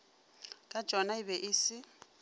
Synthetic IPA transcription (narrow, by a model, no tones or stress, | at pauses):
kʼḁt͡ʃʼɔnaɪbɛʔɪːsɪ